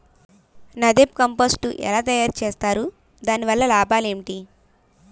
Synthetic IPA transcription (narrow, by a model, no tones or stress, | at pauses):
nɐd̪ep̚kɐmpoːsʈṵʔɛ̰laːt̪ɐjaːɾt͡ʃeːst̪aːɾu | d̪aːniʋɐlːɐlaːbʱaːle̞ːɳʈi